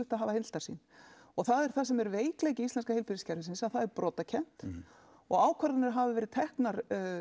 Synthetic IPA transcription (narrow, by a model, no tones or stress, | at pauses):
ʏht̪aðɦaːvahɪnl̥t̪ḁsḭn | ɔɣθaðɛɾ̥θasɛmɛɾveːjkleːjcɪist̪ɛnskahejlpiɾɪscaɾvɪsɪnsaðθaðɛɾpɾɔːt̪acʰɛn̥t̪ | ɔɣaːwkʰvaɾanɪɾɦavɪvɛːɾɪðt̪ʰɛhknaɾ